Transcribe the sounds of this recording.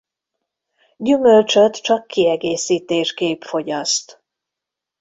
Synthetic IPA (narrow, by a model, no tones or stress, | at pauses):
ɟymølt͡ʃøt̪t͡ʃɒkːiɛɡeːsiːt̪eːʃkeːpfo̞ɟɒst̪